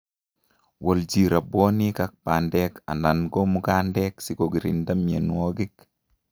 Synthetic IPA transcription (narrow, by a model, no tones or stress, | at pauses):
wʔɔld͡ʒiɾaboːnikak̚pandɛka̰nanɡomukandɛksikoɡiɾḭndamjenwoɡik